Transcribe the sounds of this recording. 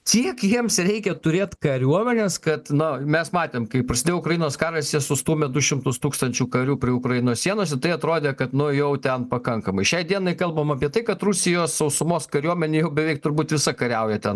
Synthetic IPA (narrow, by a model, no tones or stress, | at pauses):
t͡s̪ʲiɛkjiɛmsɾʲɛɪkʲɛt̪ʊɾʲeːt̪kɐɾʲuɔmʲɛnʲeskɐt̪nʊmʲɛsmɑːt̪ʲeːmkɐɪpɾɐsʲɪdʲeːjɛʊkɾɐjɪnoːskɑːrɐsʲjʲɛsʊst̪uːmʲɛd̪ʊʃʲɪmt̪ʊst̪uːkst̪ɐnʲt͡ʃʲuːkɐɾʲuːpʲɾʲɪʊkɾɐjɪnoːsʲsʲiɛnoɔsʲɛt̪ɐɪɐt̪ɾoːd̪ʲeːkɐt̪nʊjɛʊt̪ʲɛnpɐkɐŋkɐmɐɪʃʲɛɪd̪ʲiɛnɐɪkɐlˠbɐmɐpʲiɛt̪ɐɪkɐt̪rusʲɪjoːssɐʊsʊmoːskɐɾʲuɔmʲɛnʲejɛʊbʲɛʋʲɛɪk̚t̪ʊrbuːt̪ʋʲɪsɐkɐɾʲɛʊjɛt̪ʲɛn